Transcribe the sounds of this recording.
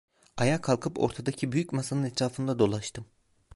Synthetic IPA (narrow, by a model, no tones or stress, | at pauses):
ajakʰalˠkʰɯpo̞̰ɾt̪ʰad̪acʰibyjycmasanɯnɛt̪ʰɾaːfɯnd̪ad̪o̞lˠaʃt̪ʰɯm